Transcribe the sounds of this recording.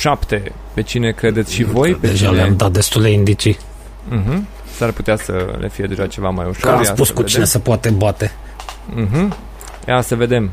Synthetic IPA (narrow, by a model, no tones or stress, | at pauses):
ʃapt̪e̞ | pe̞t͡ʃine̞kɾe̞d̪e̞t̪sʲʃivo̞jpeeʒaleamd̪at̪̚d̪e̞st̪uld̪e̞ind̪it͡ʃi | ɦm̩ | sarput̪easə̰lʔefije̞d̪e̞ʒat͡ʃe̞vamajuʃoɾajsapuskuedt͡ʃ̪enesəpoat̪ebat̪e | ɦm̩ | jasəve̞d̪e̞m